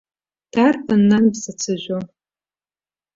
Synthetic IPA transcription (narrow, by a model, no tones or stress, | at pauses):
d̥arpʰɐnːanbzɐt͡sʰɨʒʷo